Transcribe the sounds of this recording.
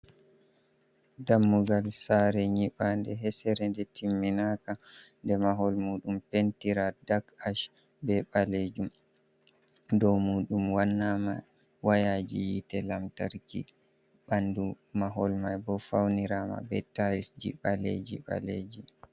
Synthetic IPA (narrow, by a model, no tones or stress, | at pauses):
damːuɡalsaɾɛɲiɓandɛɦɛsɛɾɛndɛtimːinakandɛmaɦɔlmuːɗumpentiɾadakaʃ | bɛɓaled͡ʒum | dɔwmuːɗumwanːama̰ | wajad͡ʒḭjitɛlamtaɾkḭ | ɓandu | maɦɔlmajbɔfawniɾama̰bɛ̰taɾisd͡ʒḭɓalḛd͡ʒḭɓa̰lḛːd͡ʒi